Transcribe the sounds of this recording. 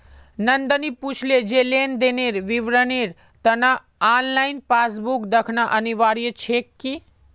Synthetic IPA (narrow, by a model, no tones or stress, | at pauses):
nɐnd̪əniput͡ʃʰled͡ʒeleːnd̪eneɾʋiʋɾəniːɾ | t̪ɐna | aːnlainpaːs̬bukd̪ɐkʰnaʔəniʋaːɾijət͡ʃʰekːi